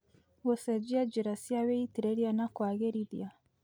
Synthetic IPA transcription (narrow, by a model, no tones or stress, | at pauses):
wɔsɛd͡ʒiad͡ʒiɾasiawɛitiɾɛɾianakwaɣɛɾidḭa